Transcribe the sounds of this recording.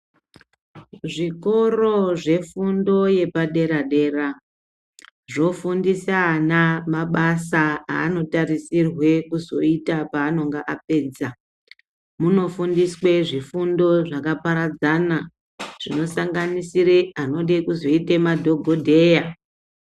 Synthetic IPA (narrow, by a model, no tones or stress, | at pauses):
ʐiko̞ro̞ʐe̞fundo̞je̞paɗe̞ɾaɗe̞ra | ʐo̞fundisanamaɓasaa̰ːno̞tarisirwe̞kuzo̞itapaːno̞ŋɡaʔap̚e̞ːd͡za | muno̞fundiswe̞ʐifundo̞ʐakapaɾad͡zana | ʐ̥ino̞saŋɡanisireano̞ɗekuzo̞itemadʱo̞ɡʱo̞dʱe̞ːja